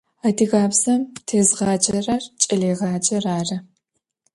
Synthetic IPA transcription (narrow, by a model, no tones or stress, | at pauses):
adʰiɣaːpsɐmtʰeːzʁɑːd͡ʒɐrart͡ʃʼɐleːʁaːd͡ʒʼɐraːrɐ